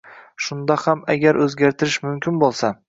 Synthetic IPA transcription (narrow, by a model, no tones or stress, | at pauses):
ʃʊnd̪ahamaɡʲaɾʔɵzɡʲaɾt̪ʰɪɾɪʃmʊmkʲɪnbolˠsa